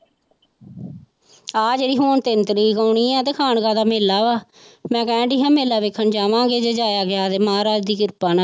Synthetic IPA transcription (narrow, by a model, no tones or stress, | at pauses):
aːd͡ʒeɾiːɦoːɳt̪ɪnt̪əɾiːkəːɳiːãːt̪eːkʰaːnɡãːd̪aːmeːlːaːʋaː | mɛ̃ːkɛ̃ːɖiːɦãːmeːlːaːʋeːkʰːənd͡ʒaːʋãːɡeːd͡ʒeːd͡ʒaːjaːɡɪaːt̪eːmɦaːɾaːd͡ʒd̪iːkɪɾpaːnaː